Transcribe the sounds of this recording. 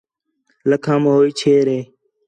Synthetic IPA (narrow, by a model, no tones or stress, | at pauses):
ləkʰãːmɦoːiːt͡ʃʰeːɾeː